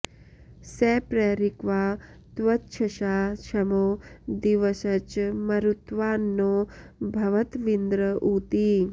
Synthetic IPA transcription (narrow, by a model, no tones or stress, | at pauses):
seːpɾeːɾikʋaː | t̪ʋɐtːʃʰɐʃaːʃɐmoːd̪iʋɐsɐt͡ʃmɐɾut̪ʋaːnːobʱɐʋɐt̪ʋind̪ɾəʔuːt̪iː